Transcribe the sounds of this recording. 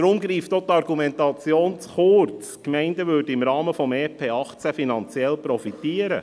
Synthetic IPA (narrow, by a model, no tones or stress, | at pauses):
ɾʊmɡɾiːftot̪ɑɾɡumɛntɑt͡sjoːnsχʊɾt͡skmɛɪndəʋʏːdəɪmɾɑːməfɔmɛːpʰeːɑχt͡sæfinɑnt͡sjɛlpɾɔfit̪iəɾə̰